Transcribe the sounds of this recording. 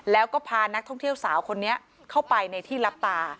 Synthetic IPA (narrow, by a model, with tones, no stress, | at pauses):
lɛː˦˥wkɔː˥˩pʰaː˧na˦˥k̚t̪ʰɔ˥˩ŋt̪ʰi˥˩əwsaː˩˦wkʰo˧nːi˦˥ɐʔ | kʰa˥˩wpa˧jna˧jt̪ʰiː˥˩la˦˥p̚t̪aː˧